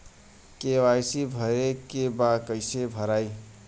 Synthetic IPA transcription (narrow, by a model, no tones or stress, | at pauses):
keʋajsibʱəɾekebakəɪsebʱəɾaj